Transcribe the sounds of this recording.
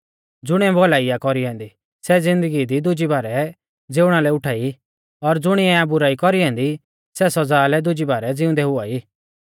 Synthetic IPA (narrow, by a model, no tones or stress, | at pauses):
d͡zʊɽ̃iɛbɔlaːijakɔɾiɦɛ̃ːnd̪i | sɛd͡zɪ̃nd̪əɡid̪id̪ʊd͡ʒibaːɾɛ | d͡zeːʊɽ̃alɛʊʈʰaːi | ɔɾd͡zʊɽ̃iɛ̃abʊɾaːikɔɾiɦɛ̃ːnd̪i | sɛsɔd͡zaːlɛd̪ʊd͡ʒibaːɾɛd͡zɪʊ̃nd̪ɛɦʊaːiː